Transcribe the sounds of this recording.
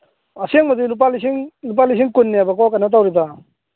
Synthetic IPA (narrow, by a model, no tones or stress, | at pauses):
ɐseŋmɐd̪ilup̬alis̬iŋlup̬alis̬iŋkunːiabɐkɔwkanat̬awɾiba